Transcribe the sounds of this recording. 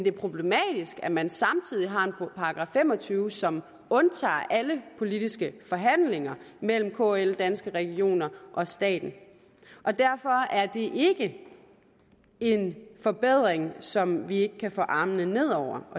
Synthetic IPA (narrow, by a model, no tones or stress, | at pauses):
end̥e̝ɐpʰʁo̝b̥lemɛ̰ːd̥isɡ̥æmænsɑ̈mt͡sʰið̞̰ˠiɦɑ̈e̝npʰɑ̈ɑɡ̥ʁɑ̰̈ːfem̰ɒ̽t͡sʰyːʊsɒ̽m | ɔ̽nt͡sʰɑ̰̈ːʔæləpʰo̝lid̥isɡ̥əfɒ̽ɦæn̰leŋɐmel̰m̩kʰo̰ːeld̥ænsɡ̥əʁɛɡ̥io̝̰ːnɐʔɒ̽sd̥ɛ̰ːd̥n̩ | ʔɒ̽d̥æɐfɒ̽æɐd̥e̝ʔe̝ɡ̥ə | e̝nfɒ̽b̥eð̞̰ˠʁeŋsɒ̽mʋie̝ɡ̥əkʰæfɔ̰ːʔɑ̈ːmnəne̝ð̞̰ˠɒʊ̰ɐ